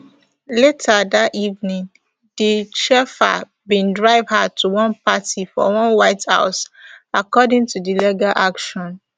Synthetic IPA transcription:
letʰadativnĩŋ | diʃɛfa̰ | bĩndɹaɪvhatʰuwɔ̃npatifɔ̰wɔ̃nwaɪtha̰ʊsakɔdɪ̃ŋtudileɡalʔakʃɔ̃n

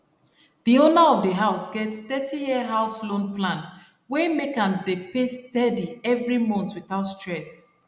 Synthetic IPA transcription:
ð̥ionaɔvdəɦaʊsɡɛtθɛtʰijiəɦaʊslõnplãn | wɛmekãmdepestɛdiɛvɹimɔ̃ntwiθaʊtstɹɛs

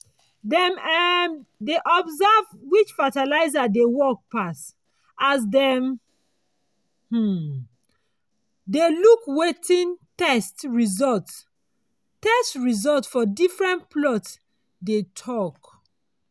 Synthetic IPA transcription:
dɛmɛmdeʔɔbzavwit͡ʃfatalaɪzadewɔk̚pas | as̬dɛm | h̩ | delukwetʰĩntɛstɹizɔlt | tɛstɹizɔltfɔdifɹɛ̃npʰlɔts | detʰɔk

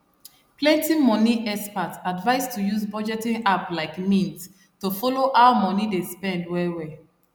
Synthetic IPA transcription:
plɛ̃ntĩmɔniʔɛspatadvaɪstʰujuzbɔd͡ʒɛtĩŋaplaɪkmĩnt | tufɔloʔaʊmɔnidespɛ̃ndwɛwɛ

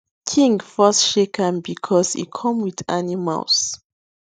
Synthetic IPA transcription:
kʰĩŋɡfɔsʃekʰə̃nbikʰɔsḭkʰɔ̃mwiðanima̰ls

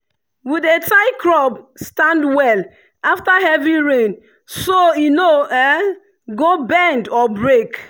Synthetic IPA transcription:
widetaɪkɹɔb̚stãndwɛl | aftaɦɛviɹẽn | soinoɛ | ɡobɛ̃ndɔbɹek

